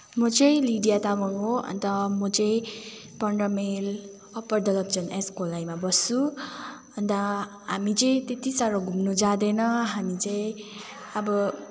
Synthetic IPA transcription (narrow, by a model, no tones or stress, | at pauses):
mʌt͡sʌj̃liɖijat̪amʌnɦoɦʌ̰nt̪ʌmʌt͡sʌj̃ | pʌɳɖʌmel | ʌpʌrd̪ʌlʌp̚t͡sʌneskolajmabʌsːubʌnt̪a | ɦamit͡sʌj̃t̪et̪isaɾʌɡʱumnud͡zãd̪enʌɦamit͡sʌj̃ | ʌbʌ